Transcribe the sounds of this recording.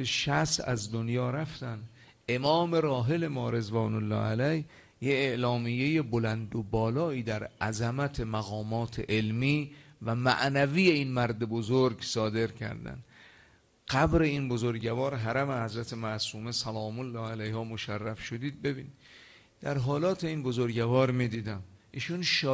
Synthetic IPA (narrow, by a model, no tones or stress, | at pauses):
beʃæsæ̰zd̪onjɒːɾæft̪ænd̪ | e̞mɒːme̞ɾɒːɦe̞le̞mɒːɾe̞zvɒːnolːɒ̰ːʔælæj | jeːʔlɒːmijːe̞je̞bolænd̪obɒːlɒːiːd̪æɾʔæzæmæt̪ʰe̞mæɣɒːmɒːt̪ʰeʔelmiːvæmæ̰ʔnæviːje̞inmæɾd̪e̞bo̞zoɾɡsɒːd̪e̞ɾcʰæ̰ɾd̪æ̰nd̪ | ɢæbɾe̞inbo̞zoɾɟævɒːɾɦæɾæmehæzɾæt̪ʰemæʔsuːme̞sælɒːmolːɒːælæjhɒːmoʃærːæfʃo̞d̪iːd̪̚be̞biːnid̪ | d̪æɾɦɒːlɒːt̪ʰe̞iːnbo̞zoɾɟævɒːɾmiːd̪iːd̪æmʔiːʃunʃ